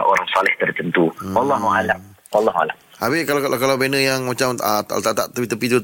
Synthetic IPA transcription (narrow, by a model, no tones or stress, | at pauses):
o̰ɾaŋsalɛht̪ərt̪ənt̪uwalːɑɦuala | walːɑɦua̰la̰ʔ | abɪkalkalawbenəjaŋmat͡ʃamət̪a̰t̪aʔt̪aʔt̪əpit̪əpit̪u